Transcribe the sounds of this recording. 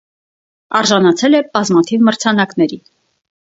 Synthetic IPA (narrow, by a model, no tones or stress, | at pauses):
ɑɾʒɑnɑt͡sʰɛlɛb̥ɑzmɑt̪ʰivməɾt͡sʰɑnɑknɛɾi